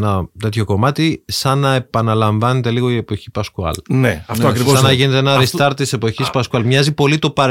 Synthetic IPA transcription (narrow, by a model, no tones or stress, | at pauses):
nɐt̪e̞t̪ço̞ko̞mɐt̪isɐnɐe̞pɐnɐlɐɱvɐnet̪e̞liɣo̞ie̞po̞çipɐskuɐ̰lneɐftoɐkɾisɐnɐʝine̞t̪eenɐɾist̪ɐɾt̪t̪ise̞po̞çispɐskuɐlmɲɐzipo̞lit̪o̞pɐɾ